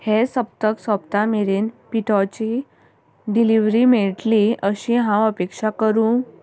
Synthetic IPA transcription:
hesəp̚t̪əksəpt̪ameɾenpiʈʰɔt͡ɕi | ɖiliʋɾimeɭʈliʔəɕĩɦãəpekʂakəɾũ

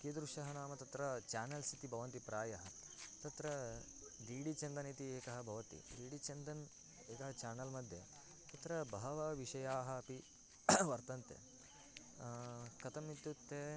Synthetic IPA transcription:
keːd̪ɾuʂɐɦɐnaːmɐt̪ɐt̪ɾɐt͡ʃaːnɐlsit̪ibʱɐʋɐnt̪ipɾaːjɐɦɐ | t̪ɐt̪ɾɐ | ɖiːɖit͡ʃɐnd̪ɐnit̪ieːkɐɦɐbʱɐʋɐt̪ḭɖiːɖit͡ʃɐnd̪ɐn | eːkɐɦɐt͡ʃaːnɐlmɐd̪ʱje | t̪ɐt̪ɾɐbɐɦɐʋɐʋiʂɐjaːɦɐːpi | ʋɐɾt̪ɐnt̪ḛ | kɐt̪ɐmit̪jut̪ːeː

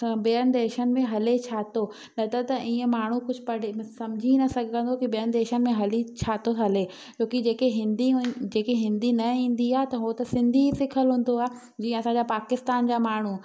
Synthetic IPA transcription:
beːən̆d̪eːʃənɪ̆mẽɦɐlet͡ɕʰaːt̪o | nɐt̪ət̪ɐʔiːə̃maːɳ̤ukʊd͡ʑʱʊ̆pɐɽisɐmd͡ʑʱinɐsɐɡʱə̃nd̪okibijəɽɪ̆d̪eːʃənɪ̆mẽɦɐlit͡ɕʰaːt̪otʰɐle | t͡ɕoːkid͡ʑeːkeɦɪ̃nd̪id͡ʑeːkeɦɪ̃nd̪inɐĩːn̆d̪iaːɦet̪ɐɦot̪ɐsɪ̃nd̪ʱisɪkʰəlɦũːn̆d̪oaː | d͡ʑiːə̃ɐsãːɲd͡ʑapaːkɪst̪aːnd͡ʑaːmaːɳ̤u

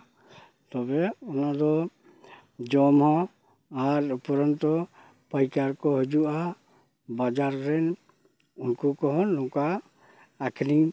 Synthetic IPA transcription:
t̪ɔbɛɔnad̪ɔ | d͡ʒɔmɦɔ̃ | aɾupɔɾɔnt̪ɔ | pəjkaɾkɔɦɔd͡ʒuʔa | bad͡ʒaɾːɛn | unkɔkɔɦɔnːɔ̃kaː | kʰniŋ

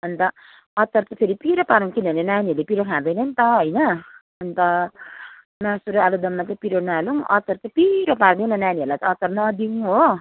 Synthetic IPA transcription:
ʌnt̪ʌ | ʌt͡sʌrt͡sʌpʰeɾipiɾʌpaɾuŋkinʱʌnenaniɦʌɾulepiɾʌkʰãd̪ʌjnʌnit̪ʌɦʌjnʌ | ʌnt̪ʌ | nasuɾoalod̪ʌmːat͡sʌpiɾonaluŋʔʌ̰t͡sʌrt͡sʌpiɾʌpard̪ew̃nʌnaniʌɾulajt̪ʌːt͡sʌrnʌd̪iw̃ɦo

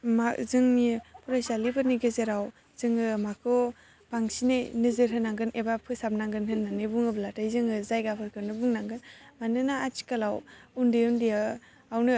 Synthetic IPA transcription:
mazɯŋnipʰuɾajsalibɯɾniɡɯzeɾaw | z̥ɯŋɯmakʰɯ | b̥aŋsinejnɯzɯɾɦɯnːaŋɡɯnʔebapʰɯsab̚naŋɡɯnhɯnːanɯbuŋɯblatajzɯŋɯzajɡapʰɯɾkʰɯnɯbuŋnaŋɡɯnmanɯnaat͡ʃi̥kalawundɯjɯndija | awnɯ

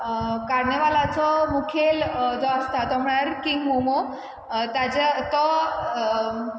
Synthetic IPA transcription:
kaɾneʋalat͡sɔmukʰeld͡zɔast̪ʰat̪ɔm̤ɭaɾkiŋɡɦomɔ | t̪ad͡ʑet̪ɔ

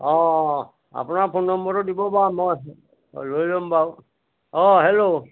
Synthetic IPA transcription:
ɔ̃ | a̰pʊnaɹpʰonːɔmbɔɾɔdibɔbamɔj | lojlɔmbaʊ | ɔ̃ɦelo

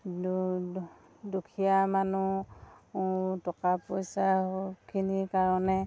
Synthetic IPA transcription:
dukʰijamanu | tɔkapojsahokʰinikaɹɔnɛ

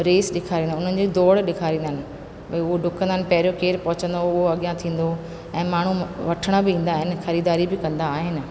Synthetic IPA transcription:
ɾeːsɗɪkʰaːɾĩːnd̪aʊn̤ənɪ̆d͡ʑid̪oːɽɗɪkʰaːɾĩːnd̪ənɪ̆ | bɐiʊɦoɖʱʊkə̃nd̪ənɪ̆pɐɦɪɾijokeːɾpɐɦʊt͡ɕə̃nd̪oʊɦoɐɠijãt̪ʰĩːn̆d̪o | ɛ̃ːmaːɳ̤uʋɐʈʰəɽ̃əbɪĩːn̆d̪aːɦɪnɪ̆xɐɾiːd̪aːɾibɪkɐ̃nd̪aːɦɪnɪ̆

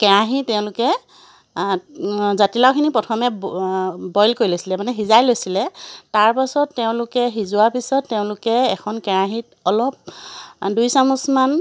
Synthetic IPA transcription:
kɛɹaɦitɛʊ̃lʊkɛ | zatilawkʰinipɹɔtʰɔmɛ | bɔjlkoɹilojsilɛmanɛɦizajlojsilɛtaɹpasɔtːeʊ̃lʊkɛɦizʊaɹpisɔtːeʊ̃lʊkɛːkʰɔnkɛɹaɦit̚ɔlɔp̚ | dujsamusman

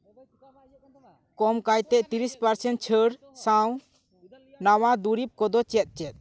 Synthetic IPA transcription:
kɔmkajt̪ɛʔt̪iɾispaɾsɛn̚t͡ʃʰəɽ | saw | nawad̪uɾip̚kɔd̪ɔt͡ʃɛt̪̚ˀt͡ʃɛt̪̚

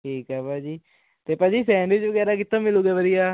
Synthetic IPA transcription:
ʈʰiːkɦɛːpaːd͡ʒiː | t̪eːpad͡ʒiːsɛ̃ːɳɖeːd͡ʒʋəɡɛːɾaːk̬ɪt̪ʰːãːmɪluːɡɛːʋəɾɪjaː

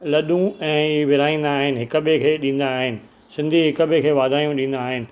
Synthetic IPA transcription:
lɐɗũɛ̃ːʋɪɾaːĩːn̆d̪aːɦɪnɪ̆ɦɪkə̆ɓekʰeːɗĩːn̆d̪aːɦɪnɪ̆ | sɪ̃nd̪ʱiɦɪkə̆bɪkʰeːʋaːd̪ʱaːjũɗĩːn̆d̪aːɦɪnɪ̆

